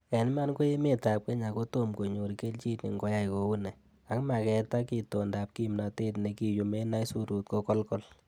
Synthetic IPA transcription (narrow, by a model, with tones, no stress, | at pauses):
ɛ˨n˦ma˦nko˦je˦me˨ta˨p̚ke˦ɲa˨ko˦to˦˨mko˨ɲo˨ɾke˦lt͡ʃi˦tnḭ˨ŋɡɔ˦ja˦jko˨˦u˦nɛ˨ | a˦kma˨kɛ˦ta˦ki˨to˨nda˨p̚ki˦˨mna˨te˦tne˨ki˨ju˨me˦na˦i˦su˦ɾu˨t̚kɔ˦kɔ˦lkɔ˦l